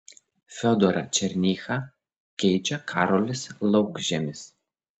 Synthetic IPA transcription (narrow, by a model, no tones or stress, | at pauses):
fʲɔd̪ɔɾɐ̰t͡ʃʲɛɾʲnʲiːxɐ | kʲɛɪt͡ʃʲɛkʰɑːɾɔlʲɪslˠɒʊɡʒʲɛmʲɪs